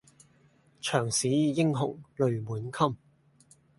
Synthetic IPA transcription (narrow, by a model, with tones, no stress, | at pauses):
t͡ʃʰœː˨˩ŋsiː˨˥jɪ˥ŋɦʊ̰˨˩ŋlɵ˨˧ɥmuː˨˥nkʰɐ˥m